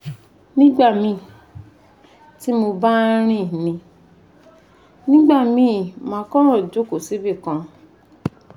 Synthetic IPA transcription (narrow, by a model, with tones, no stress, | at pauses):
nĩ˦ɡ͡ba˦˨mĩ˧˦ | ti˦mo˧ba˦ɾ̃ĩ˦˨nĩ˧ | nĩ˦ɡ͡ba˦˨mĩ˧˦˨mãː˧˦kɔ˦ɾ̃ɔ̃˦˨d͡ʒo˨˦ko˨se˨˦be˦˨kã˧